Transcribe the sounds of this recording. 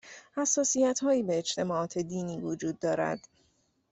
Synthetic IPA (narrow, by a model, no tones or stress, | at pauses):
hæsːɒːsijæt̪hɒːjiːbeːt͡ʃt̪ʰe̞mɒːʔɒːt̪ʰe̞d̪iːniːvod͡ʒuːd̪ːɒːɾæ̰d̪̥